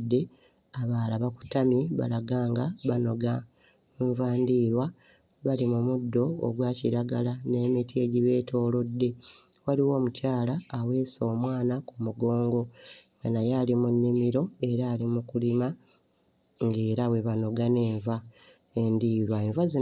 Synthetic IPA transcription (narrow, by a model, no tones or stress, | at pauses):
dːe̞ | aβaːlaβaku̥tamiβa̰laɡaːŋɡaβano̞ɡa | ɱvaːndiːɾwa | βalimumudːo̞o̰ɡwaːciɾaɡalane̞ːmitie̞ɟiβe̞ːtʰo̞ːlo̞dːe̞ | waliwo̞ːmucaːlaːwe̞ːso̞ːmwaːnakumuɡo̞ːŋɡo̞ŋɡanajaːlimunːimiɾo̞e̞ɾaːlimukulima | ŋɡe̞ːɾawe̞βano̞ɡane̞ːɱva | endiːɾwaeɱvazi